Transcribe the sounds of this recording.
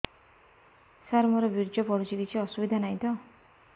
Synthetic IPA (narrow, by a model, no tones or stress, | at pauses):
saɾmʌɾʌbʱird͡zʌpʌɾut͡sidit͡sʰiʌsubid̪ʱanajt̪ʌ